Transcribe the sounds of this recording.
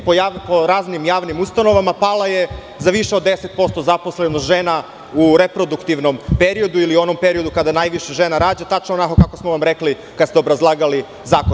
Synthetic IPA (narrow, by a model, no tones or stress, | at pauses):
poapoɾaːznimjaːʋnimust̪ano̞ʋamapaːlˠaje̞ | zaʋiʃeod̪ːe̞set̪̚po̞st̪o̞zapo̞slenoʒena | uɾepɾo̞d̪ukt̪iʋno̞mpeɾio̞d̪uiliuo̞nompe̞ɾio̞d̪ukad̪anaːjʋiʃeʒenaɾaːd͡ʑat̪at͡ʃnoonakokako̞smoʋamɾekli | kad̪st̪ɛobɾazlˠaːɡali | zaːkon